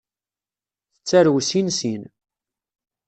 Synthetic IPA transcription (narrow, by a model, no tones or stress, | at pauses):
θət͡sːæɾwsinsin